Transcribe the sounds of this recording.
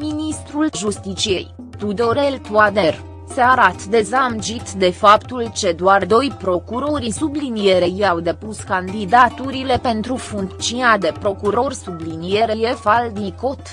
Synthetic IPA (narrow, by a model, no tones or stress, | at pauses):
minist̪ɾulʒust̪it͡ʃije̞̰j | t̪ud̪o̞ɾe̞lt̪uad̪e̞r | seaɾat̪d̪e̞zamd͡ʒit̪d̪e̞fapt̪ult͡ʃe̞d̪oard̪o̞jpɾo̞kuɾo̞ɾisublinije̞ɾe̞jiawd̪e̞puskand̪id̪at̪uɾile̞pe̞nt̪ɾufuŋk̪t͡ʃiad̪e̞pɾo̞kuɾo̞rsublinije̞ɾeje̞vald̪niko̞t̪